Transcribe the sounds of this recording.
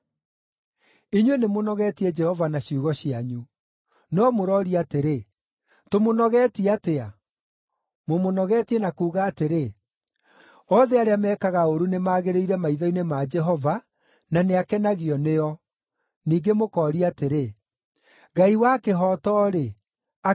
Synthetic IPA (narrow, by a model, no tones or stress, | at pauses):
iɲwenemonɔɣɛtiɛd͡ʒɛhɔvanaɕiuɣɔɕiaɲu | nɔmoɾɔɾiateɾe | tomonɔɣɛtiatea | momonɔɣɛtiɛnakuːɣaːteɾe | ɔðeaɾeamɛːkaɣaoɾunemaːɣeɾeiɾɛmaiðɔinemad͡ʒɛɦɔva | naneakɛnaɣiɔneɔ | niːɡemokɔːɾiateɾe | ɡaiwakeɦɔːtɔːɾe | a